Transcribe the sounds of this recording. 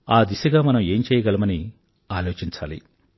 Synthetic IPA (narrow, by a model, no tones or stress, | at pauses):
aːd̪isɐɡaːmɐnɐme̞ːmt͡ʃɛːjɐɡɐlɐmɐni | aːloːt͡ʃiɲt͡ʃaːlḭ